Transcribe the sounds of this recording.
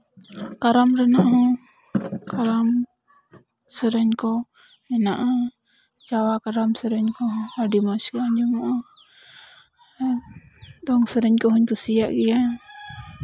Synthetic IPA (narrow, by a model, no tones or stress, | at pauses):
kaɾamɾɛnaʔɦɔ̃ | kaɾam | səɾɛɲkɔ | ɛnaʔa | t͡ʃawakaɾamsəɾɛɲkɔɦɔ̃aɖimat͡ʃkaɲɛmɔʔɔ | d̪ɔŋsəɾɛɲkɔɦɔɲkusijaʔɡɛja